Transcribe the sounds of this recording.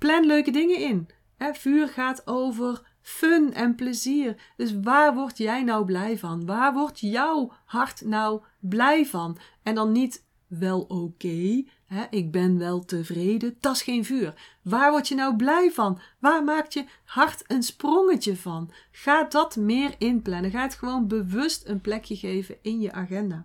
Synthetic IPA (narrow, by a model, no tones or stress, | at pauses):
plɛnløɥkədɪŋəɪn | ɦɛv̥yːrχaːtowvər | fɵnɛnpləziːr | d̥ɵs̬ʋaːrʋɔɹtjɛjnɑwblɛjvɑnʋaːɹʋɔɹtjɑw | hɑɹtnɑw | blɛjvɑn | ɛndɑnːit | ʋɛlˠowkej | ɦɛʔɪɡ̚bɛnʋɛlˠtəvrejdəd̥ɑsχejnvyːrʋaːɹʋɔɹtjənɑwblɛjvɑnʋaːrmaːktjə | hɑrtənsproŋəcəvɑnχaːdɑtmɪːrɪnplɛnəɣaːətχəʋownbəʋɵstənplɛkjəɣejvəɪnjəʔaːχɛndaː